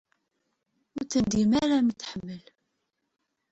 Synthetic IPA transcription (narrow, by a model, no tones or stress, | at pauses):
ʊɾt͡sːənd̪imaɾamit̪ːħəmːəl